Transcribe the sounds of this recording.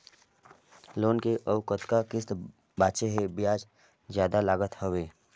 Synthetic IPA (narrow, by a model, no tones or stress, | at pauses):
loːnkeʔəʊkət̪kakɪst̪ | baːt̪ʃeɦebɪjaːd͡ʒ | zjaːd̪alaːɡət̪hoʋeː